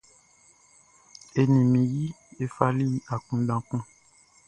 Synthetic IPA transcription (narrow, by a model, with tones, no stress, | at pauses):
e˨nĩ˨mĩ˨ji˦ | e˦fa˦li˦˨a˨kũ˦dã˦kũ˦